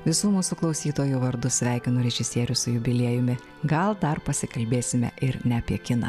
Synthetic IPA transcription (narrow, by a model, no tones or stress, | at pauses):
ʋʲɪsuːmuːsʊklˠɒʊsʲiːt̪oːjuʋɐɾd̪ʊsʲʋʲæˑɪkʲɪnoːɾʲɛʒʲɪsʲiɛɾʲʊsʊjʊbʲɪlʲeɛjʊmʲɪ | ɡɐlˠd̪ɐɾpɐsʲɪkɐlʲbʲeːsʲɪmʲɛ̰ʔɪɾnʲɛɐpʲiɛkʲɪnɐ̰